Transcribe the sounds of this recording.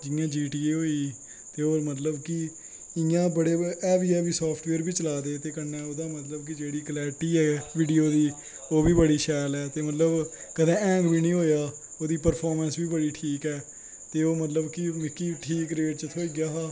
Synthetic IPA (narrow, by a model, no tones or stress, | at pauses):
d͡ʒɪãːd͡ʒiːʈiːɦoːiː | t̪eːoːɾmət̪̬ləbkɪ | ɪjãːbəɽeːɛːʋiːaːbiːsɔːpʰʈʋeːɾbiːt͡ʃəlaːd̪eːt̪eːkənːɛːoːd̪aːmət̪ləbk̬ɪd͡ʒeːɽiːklɛːʈiːɛːʋɪːɖijoːd̪iː | oːbiːbəɽiːʃɛːlɛːt̪eːmət̪ləbkəd̪ẽːɛ̃ːŋɡbiːnĩːɦoːjaː | oːd̪iːpəɾpʰɔːɾmə̃nsbiːbəɽiːʈʰiːkɛː | t̪eːoːmət̪ləbkɪmɪkːiːʈʰiːkɾeːʈ̚t͡ʃət̪ʰoːiːɡɪjaːɦaː